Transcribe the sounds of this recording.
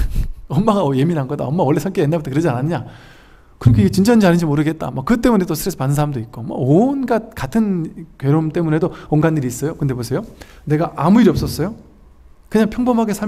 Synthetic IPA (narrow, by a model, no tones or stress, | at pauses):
ʌmːaɡaje̞minɦanɡʌda̰ʌmːawʌɭːe̞sʰʌŋk͈ienːabʌtʰʌkɯɾʌd͡ʑiananːɯɲa | kɯɾʌkʰeiɡet͡ɕind͡ʑ͈aind͡ʑianɯd͡ʑimoɾɯɡe̞t̚t͈a̰makɯt͈e̞mune̞dosʰɯɾes͈ʰʌpanɯnsʰaɾamdoit̚k͈omwʌ̰onɡat̚katʰɯnkɥeɾomt͈e̞mune̞dooŋɡanːiɾiːs͈ʌjokɯnde̞posʰejone̞ɡaʔamuiɾʌp̚s͈ʌs͈ʌjo | kɯɲaŋpʰjʌŋbʌmɦaɡe̞sʰa